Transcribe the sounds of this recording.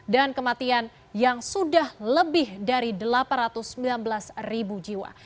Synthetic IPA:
dankəmat̪ian | jaŋsudahləbɪhdaɾidəlapanrat̪ʊsːəmbilanbəlasribud͡ʒiwa̰

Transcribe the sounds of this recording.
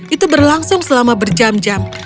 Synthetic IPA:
ʔit̪ubərlaŋsʊŋsəlamabərd͡ʒamd͡ʒam

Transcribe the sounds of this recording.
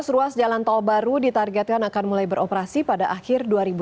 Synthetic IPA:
sɾuasd͡ʒalant̪albaɾudit̪arɡɛt̪̚kanakanmulajbəɾʔɔpəɾasipadaʔaxɪrduaɾibu

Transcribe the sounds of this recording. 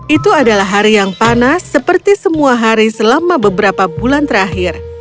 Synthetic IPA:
ʔit̪uadalaɦaɾijaŋpanasːəpərt̪isəmuaɦaɾisəlamabəbəɾapabulant̪əɾaɦɪr

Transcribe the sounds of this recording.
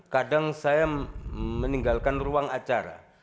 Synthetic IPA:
kadaŋsaja | məniŋɡalkanruaŋat͡ʃaɾa̰

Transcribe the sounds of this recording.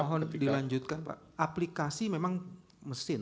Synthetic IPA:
ɔɦɔndilaɲd͡ʒut̪̚kanpa̰ʔ | aplikasimemaŋ | məsɪn

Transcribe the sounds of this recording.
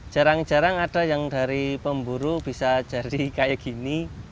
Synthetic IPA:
d͡ʒ̥a̤ɾaŋ̥d͡ʒ̥a̤ɾaŋaɖ̥a̤jaŋd̥a̤ɾipəmbuɾub̥i̤sḁd͡ʒ̥a̤dikajaɡ̥ini

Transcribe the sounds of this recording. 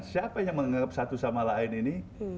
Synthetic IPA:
nsiapajaŋməŋaŋap̚sat̪usamalaɪnini

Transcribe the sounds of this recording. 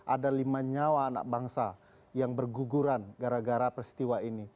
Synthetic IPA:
ʔadalimaɲawaːna̰k̚baŋsa | jaŋbərɡuɡuɾanɡaɾaɡaɾapɾist̪iwaini

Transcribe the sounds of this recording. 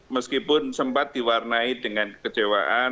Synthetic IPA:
məskipʊnsəmpat̪̚diwarnaidəŋankət͡ʃewa̰ʔa

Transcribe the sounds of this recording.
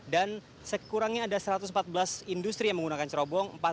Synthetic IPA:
dan | səkuɾaŋɲaːdasəɾat̪usmpat̪̚bəlasindust̪ɾijaŋməŋɡunakant͡ʃəɾɔbɔŋmpa

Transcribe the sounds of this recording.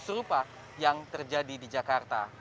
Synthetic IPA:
səɾupa | jaŋt̪ərd͡ʒadidid͡ʒakart̪a̰

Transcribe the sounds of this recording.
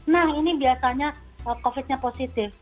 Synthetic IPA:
nahinibiasaɲa | əkofɪt̪̚ɲaposit̪ɪf

